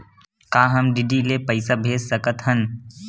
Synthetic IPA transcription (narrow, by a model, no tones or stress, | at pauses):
kaːɦɐmɖiɖilepəɪsabʱeːssɐkət̪ɦən